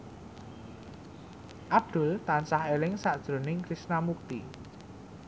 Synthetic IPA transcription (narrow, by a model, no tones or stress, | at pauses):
ʔab̚d̪̥ʊ̤lt̪ansahelɪŋsaʔd̥ʒ̥ɾo̤nɪŋkɾisnamuk̚t̪i